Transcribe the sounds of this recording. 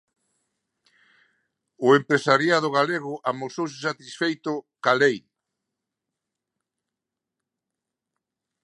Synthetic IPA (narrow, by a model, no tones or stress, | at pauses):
ʊempɾesaɾjað̞ʊɣaleɣʊʔamosowsɪsat̪isfejt̪ʊkalejn